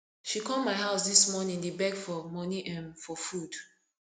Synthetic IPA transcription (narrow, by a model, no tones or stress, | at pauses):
ʃikɔlmaɪɦaʊsdismɔnĩŋdibɛkfɔmɔniʔɛ̃nfɔfud̥